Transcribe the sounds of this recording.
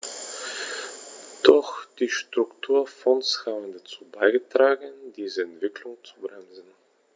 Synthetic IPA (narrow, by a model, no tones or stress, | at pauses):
d̥ɔxd̥iːʃtʁ̥ʊktʰuːɐfɔnshaːbən̩dat͡suːbaɪɡətʁ̥aːɡnd̥iːzəɛntv̥ɪkʰlʊŋt͡su̥bʁɛnzn̩